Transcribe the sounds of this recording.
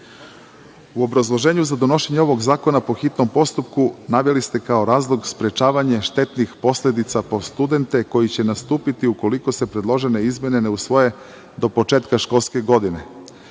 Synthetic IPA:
uo̞bɾazlˠo̞ʒe̞ːɲuzad̪o̞no̞ʃeɲeo̞ʋo̞ɡzaːko̞napo̞xit̪no̞mpo̞st̪upkunaʋjelist̪e̞kao̞ɾaːzlˠoɡspɾe̞t͡ʃaːʋaɲe̞ʃt̪e̞t̪nixpo̞slʲe̞d̪it̪sapo̞st̪ud̪e̞nt̪e̞ko̞jit͡ɕenast̪uːpit̪iuko̞liko̞se̞pɾed̪lˠo̞ʒe̞ne̞izmje̞neneusʋo̞je̞ | d̪o̞po̞t͡ʃeːt̪kaʃko̞lˠske̞ɡo̞d̪ine̞

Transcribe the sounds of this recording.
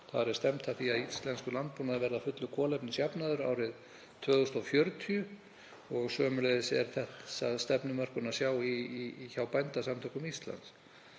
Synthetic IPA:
θa̰ðɾɛɾ̥st̪ɛmt̪ʰaθiaðist̪lɛnskʏlant̪̚puːnaðɪɾvɛɾðafʏt̪lʏkʰɔːlɛpnɪsjapnaðʏɾa̰ːwɾɪð | t̪ʰvœːɣʏst̪awfjœɾt̪ʰiʏ | ɔɣsœːmʏlɛðɪsɛ̰ɾ̥θɛsa̰ðst̪ɛpnʏmœr̥kʏnasjaːwiːçawpajnt̪asamt̪ʰawkʏmist̪la̰nt̪s

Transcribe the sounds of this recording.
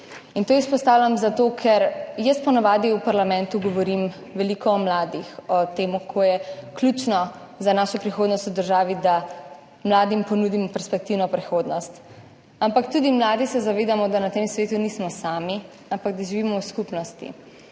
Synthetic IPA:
int̪oːispɔst̪aːwlʲamzat̪okʰɛɾjəst̪pɔnaʋaːd̪iupaɾlamɛ̃nt̪uɡɔʋɔɾim | ʋɛlikʰɔːmlaːd̪ixɔt̪eːmukʰɔjɛklʲut͡ʃnɔ | zanaʃɔpɾixoːd̪nɔst̪ud̪əɾʒaːʋid̪a | mlaːd̪impɔnud̪imɔpɛɾspɛk̚t̪iwnɔpɾixoːd̪nɔst̪ | ampakt̪ud̪imlaːd̪isɛzaʋeːd̪amɔd̪anat̪emsʋeːt̪unismɔsaːmi | ampaɡ̚d̪aʒiʋimɔwskupnɔst̪ḭ

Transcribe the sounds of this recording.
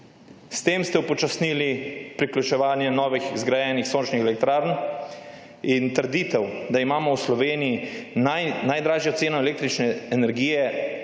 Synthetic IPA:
st̪eːmst̪ɛupɔt͡ʃasnilipɾiklʲut͡ʃɛʋaːnjɛnɔːʋixzɡɾajɛnixsoːnt͡ʃnixɛlɛk̚t̪ɾaːɾn | int̪əɾd̪iːt̪ɛwd̪aimaːmɔwslɔʋeːnijianajd̪ɾaːʒjɔt̪seːnɔɛleːk̚t̪ɾit͡ʃnɛːnɛɾɡiːjɛ

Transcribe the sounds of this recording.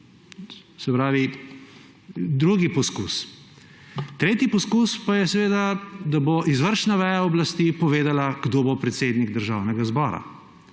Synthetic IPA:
sɛpɾaːʋi | d̪ɾuɡipɔskus | t̪ɾeːt̪ipɔskuspajɛsɛʋeːd̪ad̪aboʔizʋəɾʃnaʋɛjaɔblast̪iːpɔʋeːd̪alaɡd̪oːbopɾɛt̪seːd̪niɡd̪əɾʒaːwnɛɡazbɔːɾa̰

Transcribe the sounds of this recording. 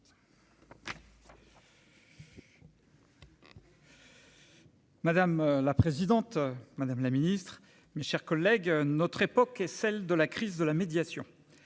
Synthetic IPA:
mad̪amlapχezid̪ɑ̃t̪mad̪amlaminist̪χ | meʃɛʁkɔlːɛɡnɔt̪χepɔkɛsɛld̪əlakχizd̪əlamed̪jasjɔ̰̃

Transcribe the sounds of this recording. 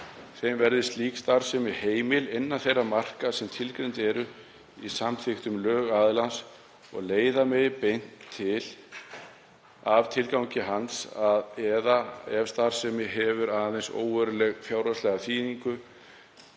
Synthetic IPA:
θejmvɛɾðɪst̪liːkst̪aɾ̥sɛmɪheːjmɪlɪnːanθejrːamar̥kasɛmt̪ʰɪlkɾejnt̪ɛɾʏ | isamθɪxt̪ʏmlœːɣaðlans | ɔ̰ɣleːjðamɪpejn̥t̪ʰːɪl | avt̪ʰɪlkawɲcɪɦansaðɛðaɛv̥st̪aɾsɛmɪɦɛvʏɾaðnθejnso̰ːwvœɾʏlɛɣfjawɾaslɛɣaθʰiːniŋkʏ

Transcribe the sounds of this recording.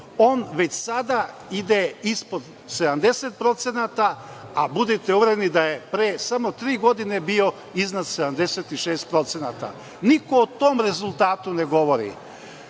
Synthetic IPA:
o̞ːnʋe̞t͡ɕsad̪a | id̪eispo̞d̪ | se̞d̪amd̪e̞set̪̚pɾo̞t̪senat̪a | abud̪it̪euʋɾenid̪aje̞pɾesamo̞t̪ɾiːɡo̞d̪ine̞bio̞ | iznad̪sed̪amd̪e̞set̪iʃeːst̪̚pɾo̞t̪senat̪a̰ | nikoːt̪oːmɾe̞zulˠt̪aːt̪une̞ɡo̞ʋo̞ɾḭ

